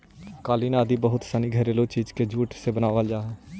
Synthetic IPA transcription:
kaːliːnaːd̪iːbəɦʊt̪saniːɡʱəɾeːloːt͡ʃiːd͡ʒked͡ʒuːʈsebənaːʋəld͡ʒaːɦɛː

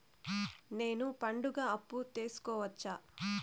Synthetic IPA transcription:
ne̞ːnupɐɳɖuɡaːɐpːut̪e̞ːsu̥kɔːʋɐt͡ʃːaː

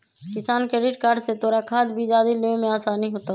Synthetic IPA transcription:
kɪsaːnkɾeːɖɪʈkaːɾɖset̪oːɾakʰaːd̪bʱid͡ʒaːd̪ilẽmẽaːsaːniɦoːt̪a

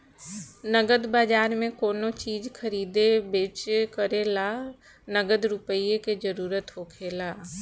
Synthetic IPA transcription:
nəɡəd̪baːd͡ʒaːɾmẽkoːnot͡ʃiːd͡ʒkʰəɾiːd̪ebeːt͡ʃkəɾelaː | nəɡəd̪ɾʊpəieked͡ʒəɾuːɾət̪ɦoːkʰeːlaː

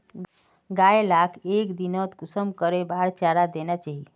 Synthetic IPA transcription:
ɡaelakʰekd̪inət̪kusəmkəɾebaɽt͡ʃaɾad̪enat͡ʃaɦi

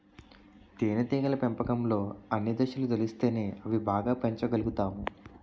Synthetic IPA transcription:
t̪eːnɐt̪iːɡɐlɐpempɐkɐmlo̞ːɐnːid̪ɐʃɐlud̪olist̪e̞ːne̞ːɐʋibaːɡaːpeɲt͡ʃɐɡɐluɡut̪aːmu

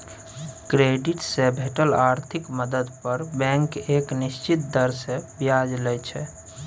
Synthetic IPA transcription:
kɾeɖiʈsẽbʱeʈəlaɾt̪ʰikməd̪əd̪pəɾbɛ̃ŋkeknist͡ʃit̪̚d̪əɾsebjad͡ʒlɛjt͡ʃʰɛ̰

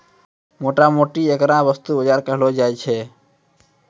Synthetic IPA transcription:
moːʈamoːʈieːkɾãbəst̪uːbəd͡ʒaːɾkəɦlod͡ʒaːjt͡ʃʰeː

